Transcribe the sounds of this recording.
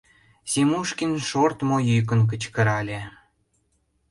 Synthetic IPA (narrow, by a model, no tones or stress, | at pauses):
sʲimuʃkinʃort̪mojyjk̬ə̆nk̬ət͡ɕkə̆ɾɑlʲe